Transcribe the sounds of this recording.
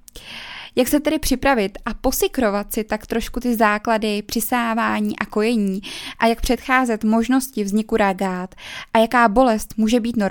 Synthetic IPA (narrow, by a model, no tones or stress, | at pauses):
jaksɛt̪ɛdɪpr̥ɪpɾavɪt̪ʔapo̞sɪkɾo̞vat̪sɪt̪akt̪ɾo̞ʃkut̪ɪzaːkladɪpr̥ɪsaːvaːɲiːʔako̞jɛɲiːʔajak̚pr̝̥ɛt̪xaːzɛt̪mo̞ʒno̞scɪvzɲɪkuɾaɡaːt̪ʔajakaːbo̞lɛst̪muːʒɛbiːt̪noɾ